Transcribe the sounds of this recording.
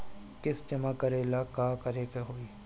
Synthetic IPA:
kɪsd͡ʒɐmaːkəɾeːlaːkaːkəɾekeɦoːiː

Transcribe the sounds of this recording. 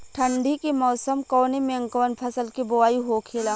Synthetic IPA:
ʈʰə̃ɳɖʱikimɔːsəmkɔːnemẽə̃ŋkəʋənpʰɐsəlkiboaːiɦokʰeːlaː

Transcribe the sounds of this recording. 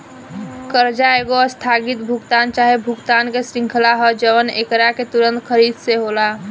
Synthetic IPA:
kəɾd͡ʒaeɡost̪ʰaɡit̪̚bʱuɡt̪ant͡ʃaɦebʱuɡt̪ankesɾĩŋkʰlaɦɔd͡ʒəʋənḛkɾaket̪uɾə̃nt̪kʰəɾid̪seɦola

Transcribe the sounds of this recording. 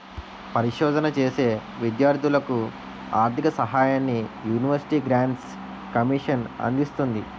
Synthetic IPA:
pɐɾiʂɔːd̪ɐnɐt͡ʃe̞ːse̞ːʋid̪jaːɾd̪ʱulɐku | aːɾt̪ʰikɐsɐɦaːjaːnːijuːniʋɐɾsi̥ʈiːɡɾaːɳʈs | kɐmiːʂɐnɐ̰nd̪ist̪und̪i

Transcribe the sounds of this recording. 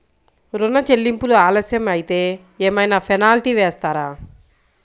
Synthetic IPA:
ɾunːɐt͡ʃe̞lːimpuluaːlɐsjɐmɐjit̪e̞ː | eːmɐjnaːpʰɐnaːliʈiːʋɛːst̪aːɾaː

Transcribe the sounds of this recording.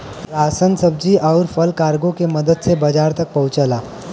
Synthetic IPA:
ɾasənsəb̚d͡ʑiːʔawɾfəlkaɾɡokeməd̪əd̪̚t͡sʰebəd͡ʑaɾt̪ək̚pəut͡səla

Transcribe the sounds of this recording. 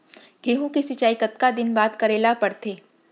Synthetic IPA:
ɡʱeːɦũkisɪt͡ʃaːikət̪kad̪ɪnbaːt̪kɐɾeːlapɐɾt̪ʰeː

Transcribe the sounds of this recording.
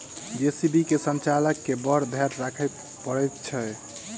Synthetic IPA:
d͡ʒesibikesənt͡ʃaləkːebəɾd̪ʱjaɾɾakʰɛt̪ | pəɾɛt̪t͡ʃʰɛ

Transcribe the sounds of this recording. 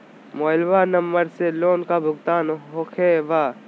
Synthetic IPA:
moːlʋanɐmːəɾseloːnkabʱʊɡt̪aːnɦoːkʰeːʋaː

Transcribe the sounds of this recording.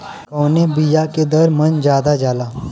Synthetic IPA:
kɔːnebijaked̪ɐɾmɐnd͡ʒjaːd̪ad͡ʒaːlaː

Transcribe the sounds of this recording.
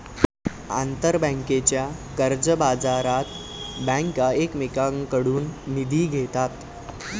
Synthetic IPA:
a̰nt̪əɾbə̃ŋket͡ɕjakəɾd͡zəbad͡zaɾat̪ | bə̃ŋkaekmekaŋkəɽuːnːid̪ʱiːɡʱet̪at̪

